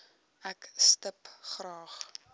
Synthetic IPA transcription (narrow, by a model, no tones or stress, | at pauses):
ækstəpχrɑːχ